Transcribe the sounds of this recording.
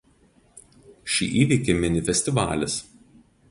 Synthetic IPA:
ʃʲḭːʔiːʋʲiːˑkʲɪmʲɪnʲɪfʲɛsʲt̪ʲɪʋɑ̰ːlʲɪs

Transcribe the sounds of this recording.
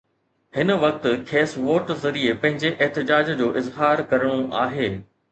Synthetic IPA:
hɪnʋɐk̚t̪̆kʰeːsʋoːʈzɐɾiepɐ̃ɦɪ̃ɲd͡ʑeʔɛɦt̪ɪd͡ʑaːd͡ʑd͡ʑoːʔɪzɦaːɾkɐɾəɽ̃oʔaːɦeː

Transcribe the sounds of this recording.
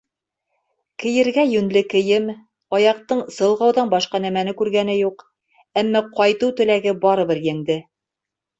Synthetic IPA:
kɘ̆jɘ̆ɾɡæjɵ̆nlɘkɘ̆jɘm | ɒjɑq̚t̪ɤɴsɤ̆lˠʁɑwðɑnbɒʃqɑnæmænɘkʉɾɡænɘjuq | æmːæqɒjt̪ɤwt̪ɵ̆læɡɘbɑɾɤ̆βɘɾjæ̆ŋd̪ɘ

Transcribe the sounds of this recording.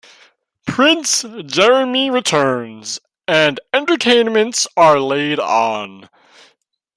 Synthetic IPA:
pʰɹ̥ɪ̃nsd̥ʒ̥ɛɹɨmiɹɨtʰɜ̃˞nz | ɨ̃nɛ̃ntə˞tʰẽɪ̃nmɨ̃ntsə˞leɪɾn̩

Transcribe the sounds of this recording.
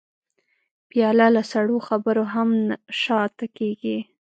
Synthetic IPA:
pjɑlalasaɽoxabəɾoɦamʃɑt̪akeɡi

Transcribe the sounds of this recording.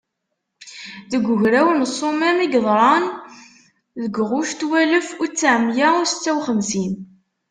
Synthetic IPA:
ðəɡʷːʊʝɾæwənsˤːomæmiɡðˤɾˤɑn | ðəɡʁʊʃt̪wæləfʊɾt͡sːaʕəmːjæʊsə̥t͡sːæwχəmsin

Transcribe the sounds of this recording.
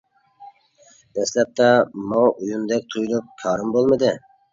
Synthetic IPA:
d̪ɛslɛp̚t̪ʰɛmɑujund̪ɛk̚ʲt̪ʰujlˠup̚kʲʰɑːɾɨmbolˠmɨd̪ɨ

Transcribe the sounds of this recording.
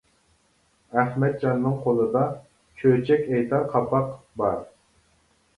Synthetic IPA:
æχmɛt̪̚d͡ʒɑnːɨŋqʰolˠɨd̪ɑ | kʲʰøt͡ʃʰɛkʲɛjt̪ʰɑɾqʰɑpɑqbɑɾ

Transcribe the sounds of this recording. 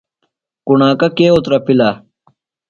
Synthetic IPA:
kunaːkɐkeːot̪ɾɐpila

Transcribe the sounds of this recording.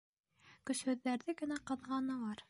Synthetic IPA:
kɵ̆ʃhɵ̆ðːæɾðɘɡɘ̆næqɤ̆ðʁɑnɤ̆lˠɑɾ

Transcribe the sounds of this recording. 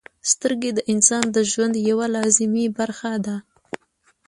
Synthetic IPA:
st̪əɾɡed̪əʔɪnsɑnd̪əʒwand̪jawalɑzɪmibaɾxad̪a

